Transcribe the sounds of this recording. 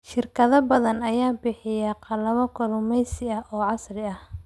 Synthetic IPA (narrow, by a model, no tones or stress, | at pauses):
ʃɪrkʰɐðɐbɐðɐnɐjaːbɪħɪjaqɑlɐβɐkʰɔlʊmɛjsɪɐʔɔːʕɑsrɪɐh